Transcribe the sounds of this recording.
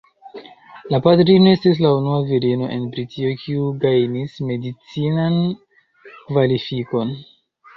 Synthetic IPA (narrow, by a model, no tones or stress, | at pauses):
lapatɾino̞e̞stis̬launuaviɾino̞ʔe̞̰nbɾitʰiokʰiuɡajnisme̞dit͡sinan | kvalifiko̞n